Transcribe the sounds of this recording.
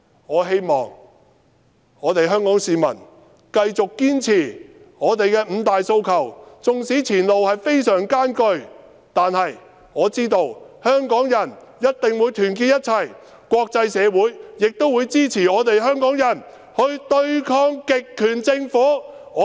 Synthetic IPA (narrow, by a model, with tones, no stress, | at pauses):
ŋɔː˨˧ɦe˥jmɔ̰ː˨ŋ | ɔː˨˧t̪e˨jɦœː˥ŋkɔː˨˥ŋsiː˨mɐ̰˨˩n | kɐ˧jt͡sʊ˨kːiː˥nt͡sʰiː˨˩ | ŋɔː˨˧t̪e˨jkɛː˧m̩˨˧t̪aː˨jso˧wkʰɐ˨˩wt͡sʊ˨ŋsiː˨˥t͡sʰiː˨˩nlo˨whɐ˨jfe˥jsœː˨˩ŋkaː˥nkɵ˧ɥ | t̪aː˨nhɐ˨j | ŋɔː˨˧t͡siː˥t̪o˧whœː˥ŋkɔː˨˥ŋjɐ˨˩njɐ˥t̚t̪ɪ˨ŋwu˨˧jt̪ʰyː˨˩nkiː˧t̚jɐ˥t̚t͡sʰɐ˨˩j | kʷwɔː˧k̚t͡sɐ˧jsɛː˨˧wuː˨˥jjɪ˨k̚t̪o˥wu˨˧jt͡siː˥t͡sʰiː˨˩ɔː˨˧t̪e˨jɦœː˥ŋkɔː˨˥ŋjɐ˨˩n | hɵ˧ɥt̪ɵ˥˧ɥkʰɔː˥ŋkɪ˨kʰːyː˨˩nt͡sɪ˧ŋfuː˨˥ɔː˨˧